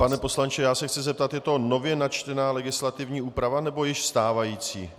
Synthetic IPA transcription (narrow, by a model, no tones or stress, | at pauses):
panɛpo̞slant͡ʃɛjaːsɛxt͡sɪzɛp̚t̪at̪jɛt̪o̞no̞vjɛnat͡ʃt̪ɛnaːlɛɡɪslat̪ɪvɲiːʔuːpɾavanɛbo̞jɪʃst̪aːvajiːt͡siː